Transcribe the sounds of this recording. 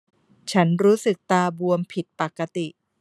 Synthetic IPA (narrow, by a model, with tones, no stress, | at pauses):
t͡ɕʰa˦˥nɾuː˦˥sɯ˨˩k̚t̪aː˧bu˧əmpʰi˨˩t̪̚pa˨˩kːa˧t̪i˨˩ʔ